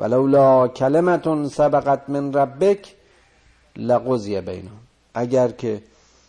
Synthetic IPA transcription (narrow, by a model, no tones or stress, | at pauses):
va̰lawlɒːkʰælemat̪nsabaɣat̪menɾabːekʰ | laɣozjabḛjnʊ | ʔæɟæɾkʰe